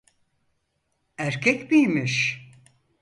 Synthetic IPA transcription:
æɾcʰɛcbijmiʃ

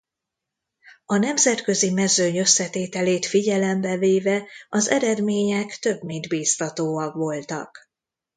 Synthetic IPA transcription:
ɒnɛmzɛt̪kø̞zimɛzøɲø̞sːɛt̪eːt̪ɛleːt̪fiɟɛlɛmbɛveːvɛɒzɛ̰ɾɛd̪meːɲɛkt̪ø̞bmind̪biːst̪ɒt̪oːɒkʋo̞lt̪ɒ̰k

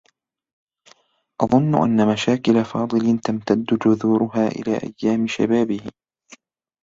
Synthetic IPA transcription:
ʔɑðˤʊnːʊʔa̰nːamaʃaːkɪlafɑːd̪ˤɨlɪnt̪amt̪ad̪ːʊd͡ʒʊðuːɾʊɦaːʔɪ̰la̰ːʔa̰jːaːmɪʃa̰baːbɪhɪ

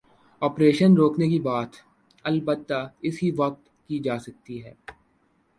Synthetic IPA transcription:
ɔːpɾeːʃənɾoːknekibaːt̪ | ɐlbət̪ːaɪsɦiʋɐk̚t̪ | kid͡ʒaːsɐk̚t̪iɦɛː

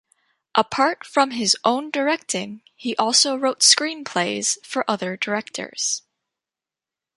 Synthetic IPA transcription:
ʔəpʰɑɹtfɹʌ̃mɪzʔõʊ̃ndə˞ɛk̚tʰɪ̃ŋ | hiʔɔlˠsoʊɹoʊtskɹĩnpʰl̥eɪz̥fə˞ʔʌðə˞də˞ɛk̚tʰə̰˞z̥

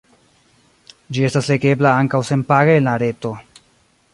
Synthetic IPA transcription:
d͡ʒie̞stasle̞ɡe̞blaaŋkawse̞npaɡaenlaɾe̞to̞

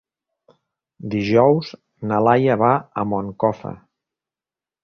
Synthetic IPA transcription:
d̪iʒɔwz | nəlajəβaəmoŋkɔfə̰

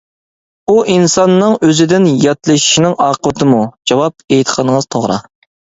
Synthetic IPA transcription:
uʔinsɑnːɨŋøzɪd̪ɪnjɑt̪lˠɨʃi̥ʃinɪŋɑːqʰəwɨt̪ʰɨmud͡ʒɑwɑp̚ejt̪ʰqʰənəŋəz̥t̪ʰoʁɾɑ̰

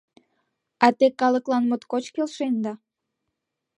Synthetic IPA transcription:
ɑt̪ekɑləklɑnmot̪kot͡ɕkelʃend̪ɑ

